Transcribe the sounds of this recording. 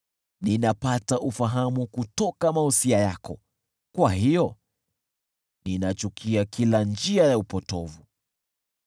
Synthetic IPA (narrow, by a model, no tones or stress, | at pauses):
ninapataʔufaɦamukutɔkamahusiajakɔ | kwahijɔ | ninat͡ʃukʰiakʰiland͡ʒiajaupɔtɔvu